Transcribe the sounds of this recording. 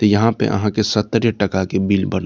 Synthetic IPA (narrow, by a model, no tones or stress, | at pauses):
t̪ojɐɦãpḛʔɐ̰ɦãkesɐt̪ːɾjəʈɐkakebiːlbɐn